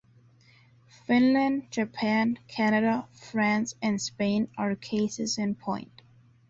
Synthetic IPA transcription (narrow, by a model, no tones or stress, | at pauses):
fɪ̃nlə̃nd͡ʒəpʰæ̃nkʰænəɾəfɹæ̃nsɨ̃nspẽɪ̃nə˞kʰeɪsɨzɨ̃npʰɔ̰̃ɪ̃nt